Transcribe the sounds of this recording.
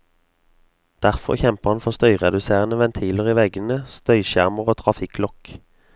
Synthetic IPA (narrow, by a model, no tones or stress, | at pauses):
d̪̥æʁfɔ̰ʁçɛmpəʁhɑnfɔʁst̪œʏʁɛd̪ʉseːʁənəʋɛnt̪ʰiːləʁiːʋɛɡənəst̪œʏʃæʁməʁoːt̪ʰʁɑfɪklɔk